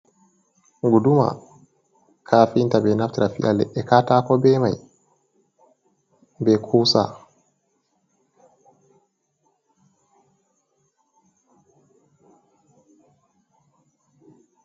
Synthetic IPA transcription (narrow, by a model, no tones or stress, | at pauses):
ɡuduma̰ | kʰaːfintabɛnaftiɾafḭja̰lɛ̰ʔɛkataːkɔbɛmaj | bɛkʰusa̰